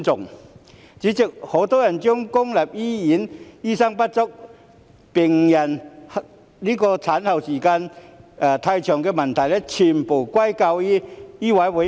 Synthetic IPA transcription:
t͡sʊ˨˩ŋ | t͡ɕi˨˦t͡ɕi˨˩k̚ho˨˩˦t̪ɔ˦˥ja˨˩nt͡ɕjʊ˦˥ŋkʊ˦ŋla˨˩p̚i˦i˨˦ni˥˧˩sa˥ŋpa˦˥t̚t͡sɔ˥k̚ | pi˨˩ŋja˨˩n˧ | li˦˥kɔ˧t͡sʰa˨˦nha˨˩wɕi˨˩ka˧na˨˩t̪ʰa˧jt͡ɕʰjɔ˨˩ŋke˧ma˨˩nt̪ʰa˨˩jle˦t͡ɕʰi˨˩mpu˨˩kwa˥˦jka˧wi˦i˦˥wa˨˧˦jwe˨˧˦

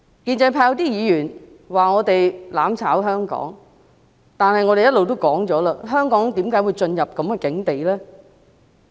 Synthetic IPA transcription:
kiː˧nt͡sɐ˧jpʰaː˧wt̪iː˥jiː˨˧jyː˨˩n | waː˨ŋɔː˨˧t̪e˨jlaː˨˥mt͡sʰaː˨˥wɦœː˥ŋkɔ̰ː˨˥ŋ | t̪aː˨nhɐ˨jŋɔː˨˧ɾe˨jɐ˥t̚lo˨wt̪o˥wkɔː˨˥ŋt͡sɔː˨˥laː˧ɦœː˥ŋkɔː˨˥ŋt̪iː˨˥mkaː˨˥jwuː˨˧jt͡ʃɵ˧njɐ˨p̚kɐ˨˥mkɛː˧kɪ˨˥ŋt̪e˨jlɛː˥

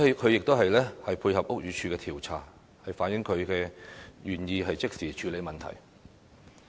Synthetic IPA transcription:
kʰɵ˨˧ɥjɪ˨k̚t̪o˥ɦɐ˨jlɛː˥hɐ˨jpʰuː˧jhɐ˨p̚ʊ˥k̚jyː˨˧t͡ʃʰyː˧kɛː˧t̪ʰiː˨˩wt͡sʰa̰ː˨˩ | hɐ˨jfaː˨˥njɪ˨˥ŋkʰɵ˨˧ɥkɛː˧jyː˨˩njiː˧ɦɐ˨jt͡sɪ˥k̚siː˨˩t͡ʃʰyː˨˧le˨˧jmɐ˨nt̪ʰɐ̰˨˩j

